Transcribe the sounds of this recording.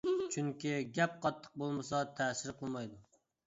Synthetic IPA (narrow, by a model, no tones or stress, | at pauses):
t͡ʃʰyŋkʲiɡʲɛp̚qʰɑt̪ʰːə̥q̚bolˠmɨsɑt̪ʰɛsɪɾqʰəlˠmɑjd̪u